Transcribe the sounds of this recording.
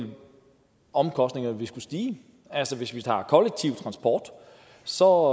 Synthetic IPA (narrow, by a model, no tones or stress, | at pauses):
l | ɒ̽mkʰɒ̽sd̥ne̝ŋɐʋisɡ̥usd̥iː | ælsɒʋe̝sʋit͡sʰɑ̰̈ːkʰɒ̽leɡ̥̚t͡sʰiʊt͡sʰʁɑ̈nsb̥ɒ̰ːd̥ | sɒ̽